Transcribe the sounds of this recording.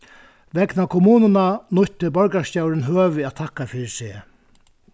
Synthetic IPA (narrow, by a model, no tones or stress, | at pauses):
ʋɛknakʰʊmuːnɪnanʊçt̪ːɪbɔɹkascawɾɪnɦøːʋɪæːt̪ʰahkːafiːɾɪseː